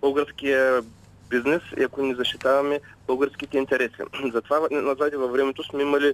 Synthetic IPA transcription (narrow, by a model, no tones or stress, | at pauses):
boɡɐɾskʲijə | biznɛsḭɐkonizɐʃt̪it̪avɐmɛbəlˠɡɐɾskʲit̪ɛint̪ɛɾɛsḭzɐt̪vavnɐzad̪ʲɛvɐvɾɛmɛt̪osmɛimɐli